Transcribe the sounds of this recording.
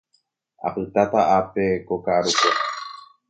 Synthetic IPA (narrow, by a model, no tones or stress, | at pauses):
a̰pɨt̪at̪aʔape̞kokaɾuko